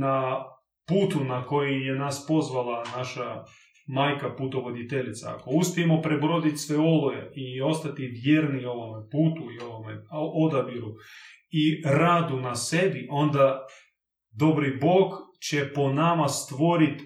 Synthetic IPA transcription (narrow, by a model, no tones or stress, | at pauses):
na | puːt̪unako̞jijenaspo̞zʋalˠanaʃa | maːjkaput̪oʋod̪it̪eʎit̪sa̰a̰ko̞uspijemopɾebɾod̪it̪ʲsʋeo̞lojḛio̞st̪at̪iʋjeːɾnio̞ʋomepuːt̪uioʋomeod̪abiɾu | iɾad̪unasːed̪iʔo̞nd̪a | d̪o̞bɾibo̞ːɡt͡ɕepo̞namast̪ʋo̞ɾit̪